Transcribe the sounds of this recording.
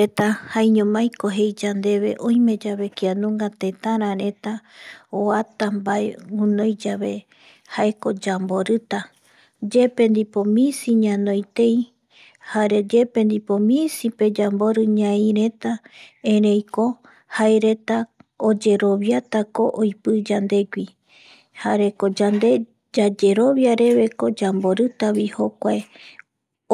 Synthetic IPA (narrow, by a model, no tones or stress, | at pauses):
et̪ahaiɲõmãjkoɦe̞jd͡ʒand̪e̞βe̞ʔõĩmẽ̞d͡ʒaβe̞kianũŋɡat̪e̞t̪ãɾãɾẽ̞t̪aoat̪ambaeũnõjd͡ʒaβe̞ | haeko̞d͡ʒamboɾɨt̪a | d͡ʒepe̞nd̪ipomĩsiɲãnõjt̪e̞j | haɾe̞d͡ʒe̞pe̞nd̪ipomĩsipe̞d͡ʒambo̞ɾɨɲãĩɾe̞t̪aẽɾẽjko̞ | haeɾe̞t̪aod͡ʒe̞ɾo̞βjat̪ako̞ʔojpɨd͡ʒand̪e̞ɡʷi | haɾe̞ko̞d͡ʒand̪e̞ | d͡ʒad͡ʒe̞ɾo̞βjaɾe̞βe̞ko̞d͡ʒambo̞ɾɨt̪aβihokʷae